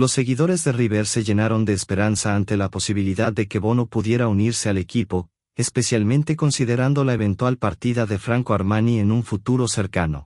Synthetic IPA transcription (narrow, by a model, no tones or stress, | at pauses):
lo̞sːe̞ɣiðo̞ɾe̞zðe̞riβeɾse̞ʝe̞naɾo̞nd̪e̞ːspe̞ɾansaːnt̪e̞lapo̞siβiliðaðːe̞ke̞βo̞nopuðje̞ɾauniɾse̞ale̞kipo̞ | espe̞sjalmẽ̞nt̪e̞ko̞nsiðe̞ɾand̪o̞lae̞β̞e̞nt̪walpaɾt̪iðaðe̞fɾaŋkoaɾmanienuɱfut̪uɾo̞se̞ɾkano̞̰